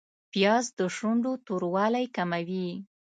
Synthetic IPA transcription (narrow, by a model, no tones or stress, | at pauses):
pjɑzd̪əʃuɳɖot̪oɾwɑlajkamawi